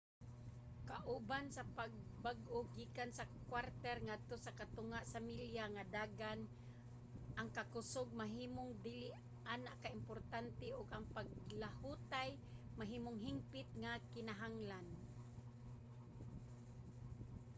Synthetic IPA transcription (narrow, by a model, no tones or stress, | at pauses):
kaʔubansapaɡ̚baɡʔoɡiːkansakwaɾt̪ɛɾŋad̪̚t̪osakat̪ʊŋaʔsamiljaŋad̪aːɡan | ʔaŋkakʊsoɡ̚maɦiːmoŋd̪iːlɪʔ | ʔaːnaʔkaɪmpoɾt̪ant̪ɛʔʊɡaŋpaɡ̚lahut̪aj | maɦiːmʊŋɦɪmpɪt̪̚ŋakɪnaɦaŋlan